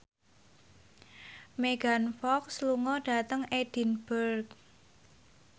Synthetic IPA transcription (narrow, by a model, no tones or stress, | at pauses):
meɡ̥anfɔksluŋɔɖ̥a̤t̪əŋed̥i̤nb̥ərk